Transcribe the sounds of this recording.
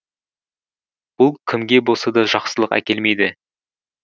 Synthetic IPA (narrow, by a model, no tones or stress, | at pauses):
b̥ʊlˠkʲʰɪmɡʲe̞bosɑd̪ɑʒɑqsəlˠəqæ̰kʲe̞lme̞jd̪ɪ